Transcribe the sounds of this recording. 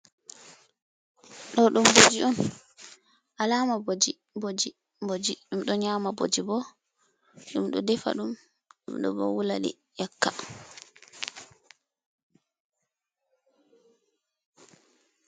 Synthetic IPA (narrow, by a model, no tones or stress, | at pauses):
ɗɔɗumbod͡ʒiʔɔn | ʔalaːmabod͡ʒi | bod͡ʒi | bod͡ʒiɗumɗɔɲamabo̰d͡ʒibɔ | ɗumɗɔdɛfa̰ɗum | ɗṵmɗɔ̰bɔ̰wulaɗḭ | jakːa